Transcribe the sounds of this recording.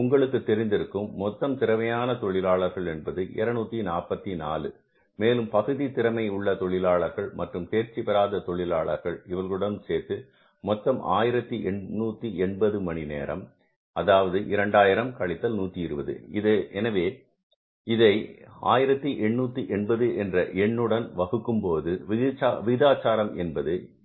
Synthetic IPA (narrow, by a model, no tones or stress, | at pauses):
ʊŋɡɐɭɯkːɯt̪ːɛɾɪnd̪ɪɾɯkːɯmːɔt̪ːɐmt̪ɪɾɐʋɐjaːnɐt̪ɔɭɪlaːɭɐɾɣɐɭɛnbɐðɯʔɛ̰ɾɐnuːt̪ːinaːpɐt̪ːina̰ːlɯ | meːlɯmpɐɣɯðit̪ɪɾɐmɐɪʊɭːɐt̪ɔɭɪlaːɭɐɾɣɐɭmɐʈrɯmt̪eːɾt͡ʃipɐɾaːðɐt̪ɔɭɪlaːɭɐ̰ɾɣɐɭɪʋɐlɣɯɽɐnseːt̪ːɯ | mɔt̪ːɐmʔa̰ːjɪɾɐt̪ːiʔɛɳnuːt̪ːiɛɳbɐðɯmɐɳinḛːɾɐ̰m | ɐðaːʋɐðɯʔɪɾɐɳɖaːjɪɾɐmkɐɭɪt̪ːɐlnuːt̪ːiɪɾɯbɐðɯ̰ɪðɐʔɛnɐʋeː | ɪðɐɪa̰ːjɪɾɐt̪ːɯʔɛɳːuːt̪ːɯʔɛɳbɐðɯʔɛndrɐʔɛɳːɯɽɐnʋɐɣɯkːɯmpoːðɯʋɪt͡ʃːʋɪɣɪðaːt͡ʃːaːɾɐmɛnbɐðɯ